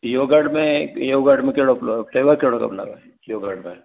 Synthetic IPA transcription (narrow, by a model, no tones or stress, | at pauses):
joːɡaɽmẽjoːɡaɽmẽkeɽoploʈeːʋəɾkeɽokɐ̰bna̰ːbe | joːɡaɽmẽ